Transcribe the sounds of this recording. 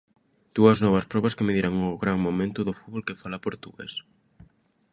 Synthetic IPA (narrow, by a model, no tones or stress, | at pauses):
d̪̥uɐznɔβ̞ɐspɾɔβɐskemeðiɾaŋʊɣɾaŋmomẽnt̪ʊðʊfuðβolkefalapoɾt̪uɣḛs